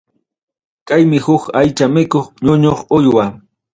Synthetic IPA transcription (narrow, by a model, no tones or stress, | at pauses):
kajmɪhʊkajt͡ʃamɪkoχɲʊɲoχʊjwa